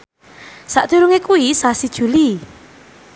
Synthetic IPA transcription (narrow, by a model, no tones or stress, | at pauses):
saʔd̪̥ṳɾuŋekuisasid̥ʒ̥ṳli